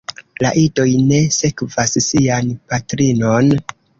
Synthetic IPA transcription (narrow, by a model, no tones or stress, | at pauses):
la̰ʔido̞jne̞se̞kvassianpatɾino̞n